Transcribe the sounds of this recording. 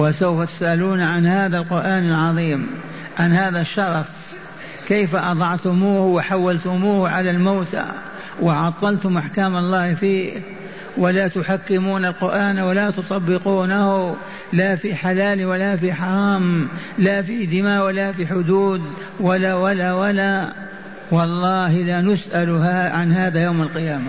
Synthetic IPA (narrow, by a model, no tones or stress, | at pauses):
wɪsawfat̪ʊ̥sʔaluːnʕanhaːðalqʊɾʔaːnalʕɑðˤiːm | ʕanhaːðaʃːɑɾˤɑf | kejfaʔɑd̪ˤɑʕt̪ʊmuːhwɪħawːalt̪ʊmuːhʕalalmawt̪a̰ | wɪʕɑt̪ˤːɑlt̪ʊmʔaħkaːmɑlˤːɑːhfiː | walat̪ʊħakːɪmuːnalqʊɾʔaːnwalat̪ʊt̪ˤɑbːɪquːnahʊ | laːfiːħalaːlwalafiːħɑɾˤɑːm | lafid̪ɪmaːʔwɪlafiħʊd̪uːd̪ | walawalawala | wɑlˤːɑːhɪlaːnʊsʔalaʕanhaːðajawmalqɨjaːma